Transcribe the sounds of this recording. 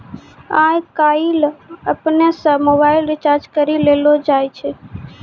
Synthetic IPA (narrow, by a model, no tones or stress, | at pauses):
ajkailəpnesə̃mobaɪlɾit͡ʃaɾd͡ʒkəɾilelod͡ʒajt͡ʃʰɛ